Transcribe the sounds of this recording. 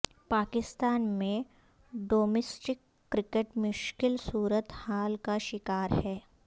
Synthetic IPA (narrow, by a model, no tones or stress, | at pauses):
paːkɪst̪aːnmẽ | ɖoːmeːsʈɪkːɾɪkeʈmʊʃkɪlsuːɾət̪haːlkaʃɪkaːɾhɛː